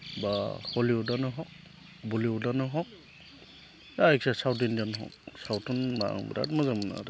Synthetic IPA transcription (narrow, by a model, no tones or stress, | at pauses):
bahɔliɔdanɯɦɔk̚ | buliɔdanɯɦɔk̚ | jajk̚sasawt̬indanɦɔ̰k̚sawtʰunma̰ŋbɾa̰tmazamna̰ɾɯ